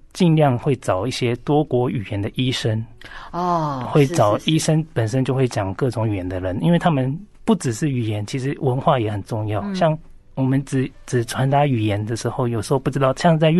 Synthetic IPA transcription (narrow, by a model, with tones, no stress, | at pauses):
t͡ɕi˥˧nljɑ˥˧ŋxwe˥˩ɪʈ͡ʂɑ˨˩ʊi˥˩ɕjɛ˥t̪wɔ˥kwɔ˧˥y˨˩jɛ˧˦nd̪ə˨ʔi˦˥ʂə˥n˥ | xwe˥˩ɪʈ͡ʂɑ˨˩ʊi˥ʂə˥npə˨˩nʂ̬ə˥nt͡ɕjo˥˧xwe˥˩ɪt͡ɕjɑ˨˩ŋkɤ˥˩ʈ͡ʂʊ˧˥ŋy˨˩jɛ˧˥nd̪ə˨ɻə˧˦ni˥nwe˥˩ɪt̪ʰa˥mə˨npu˥˩ʈ͡ʂɻ̩˨˩ʂɻ̩˥˩y˨˩jɛ˧˦nt͡ɕʰi˧˥ʂɻ̩˧˥wə˧˥nxwa˥˩jɛ˨˧˥xə˨˩nʈ͡ʂʊ˥˧ŋjɑ˥˩ʊɕjɑ˥˩ŋ | wɔ˨˩mə˨˦nt͡sɻ̩˨˩˦ʈ͡ʂɻ̩˨˩ʈ͡ʂʰwa˧˥nt̪a˧˥y˨˩jɛ˧˦nd̪ə˨ʂɻ̩˧˥xo˥˧ʊjo˨˩ʊʂɻ̩˧˥xo˥˧ʊpu˥˩ʈ͡ʂɻ̩˥t̪ɑ˥˧ʊɕjɑ˥˧ŋ˧t͡sa˥˧